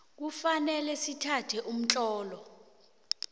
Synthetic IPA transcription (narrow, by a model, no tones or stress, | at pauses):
k̬ufanɛlɛsitʰatʰɛʔum̩t͡ɬʼɔːlɔ